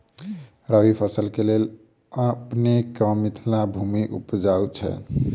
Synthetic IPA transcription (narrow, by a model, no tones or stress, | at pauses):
ɾəwipʰəsəlkelel | əpnekəmit̪ʰlabʱumiʔṵpd͡ʒawt͡ʃʰɛ̰